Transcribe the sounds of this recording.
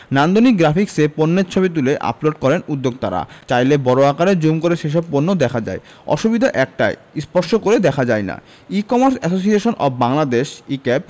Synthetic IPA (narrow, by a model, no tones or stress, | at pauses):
nand̪onikɡɾafikseponːeɾt͡ɕʰobit̪̬uleʔa̰ploɖ̚kɔɾenud̪ːoɡ̚t̪a̰ɾa̰t͡ɕajlebɔɾoakaɾed͡ʑumkoɾeʃeʃ̬ɔb̚ponːod̪ɛkʰad͡ʑa̰e | ɔ̰ʃubid̪ʱaʔɛk̚ʈa̰j | spɔɾʃokoɾed̪ɛkʰad͡ʑajna̰ | ikɔmaɾsɛs̬osieʃonʔɔbbaŋlad̪eʃikɛp̚